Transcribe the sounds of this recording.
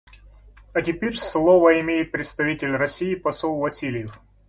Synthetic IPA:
ɐtʲɪpʲerʲslˠovəɪmʲejɪt̪̚pɾʲɪt̪st̪ɐvʲitʲɪlʲrɐsʲijɪpɐsolˠvɐsʲilʲɪjɪf

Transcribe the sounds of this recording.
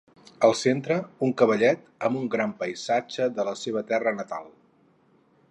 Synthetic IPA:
əlˠsent̪ɾəuŋkəβ̞əʎɛt̪əmuŋɡɾampəjzad͡ʒəðələseβ̞ət̪ɛrənət̪a̰lˠ

